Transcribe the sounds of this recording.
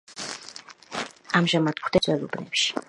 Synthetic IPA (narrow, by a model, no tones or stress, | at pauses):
amʒamad̪̥̚kʰwd̪ɛzwɛlˠɔbnɛ̰pʃi̥